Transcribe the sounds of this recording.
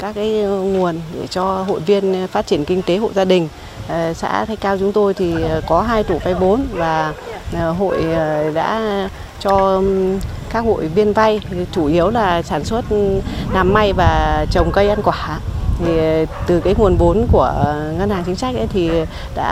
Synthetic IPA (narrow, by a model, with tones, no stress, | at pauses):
kaː˦˥k̚ːaː˨˦jŋu˨˩ənɗe˧˩t͡ɕɔ˧ɦo̰˧˨jvi˧ənfaː˦˥t̚t͡ɕi˧˩ənkï˧ŋt̪e˨˦ɦo̰˧˨jzaː˧ɗï˨˩ŋ̟˨˩ | sa̰ː˧˥t̪ʰa˧jkaː˧wt͡ɕʊ˨˦ŋ͡mt̪o˧jt̪ʰi˨˩kɔ˨˦ɦaː˧jt̪u˧˩va˧jɓo˨˦nvaː˨˩˨ | ɦo̰˧˨jɗa̰ː˧˥ | t͡ɕɔ˧ | kaː˦˥k̚ho̰˧˨jvi˧ənva˧jt͡ɕu˧˩ʔi˨˦əwlaː˨˩saː˧˩nswə˦˥t̚naː˨˩mːa˧jvaː˨˩t͡ɕə˨˩wŋ͡mkə˧jʔa˧nkwaː˧˩a˧˦t̪ʰi˨˩t̪ɨ˨˩kaː˨˦jŋu˨˩ənɓo˨˦nku˧˩əŋə˧nhaː˨˩ŋt͡ɕï˨˦ŋ̟sa˦˥k̟̚ʔə˨˦jt̪ʰi˨˩ | ɗa̰ː˧˥